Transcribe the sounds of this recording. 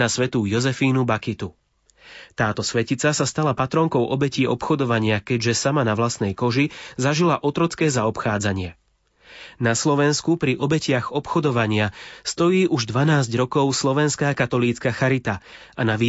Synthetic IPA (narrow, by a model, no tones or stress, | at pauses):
nasʋɛt̪uːjɔzɛfiːnubakit̪u | t̪aːt̪ɔsʋɛcit͡sasast̪alapat̪ɾɔŋkɔʊʔɔbɛciːɔpxɔd̪ɔʋaɲɪakɛɟʒɛsamanaʋlast̪nɛjkɔʒizaʒilaʔɔt̪ɾɔt͡skɛːzaɔpxaːd͡zaɲɪɛ | naslɔʋɛnskupɾiʔɔbɛcɪaɣɔpxɔd̪ɔʋaɲɪast̪ɔjiːʔuʒd̪ʋanaːzɟɾɔkɔʊslɔʋɛnskaːkat̪ɔliːt͡skaxaɾit̪a | anaʋiː